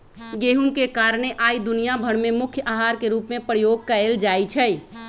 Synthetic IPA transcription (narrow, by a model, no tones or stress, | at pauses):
ɡeːɦũŋkekaːɾɽ̃eʔaːid̪ʊnijabʱəɽmẽmʊkʰjəʔaːɦaːɾkeɾuːpmẽpɾəjoːɡ̚kəeːld͡ʒaːit͡ʃʰɛi